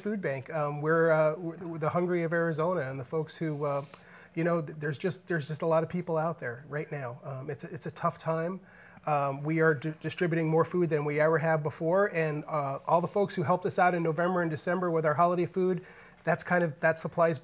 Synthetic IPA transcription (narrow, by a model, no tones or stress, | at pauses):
fʉd̚bæ̃ŋkʌ̃mwɪɹwɪðəhʌ̃ŋɡɹiʌvɛɹɨzõʊ̃nɨɨ̃nðəfoʊkshʉʌ | jɨñoʊðə˞zd͡ʒʌst̪̚ðə˞zd͡ʒʌstəlɑɾʌv̥pʰipl̩ˠaʊt̪̚ðə˞ɹaɪtⁿnaʊʌ̃mɨtsɪtsɨtʰʌftʰãɪ̃m | wiə˞d̥ɨstɹ̥ɪbjʉɾɪ̃ŋmɔɹfud̪̚ðɨ̃nwiɛvə˞ɨvbəfɔɹɨ̃nʔɔlˠðəfoʊkshʉɦɛlˠp̚tʌsaʊɾɨ̃nːoʊvɛ̃mbə˞ɨ̃ndɨsɛ̃mbə˞wəðɦɑlˠəɾeɪfud̪̚ | ðætskʰãɪ̃ndʌvðætsəpʰl̥aɪz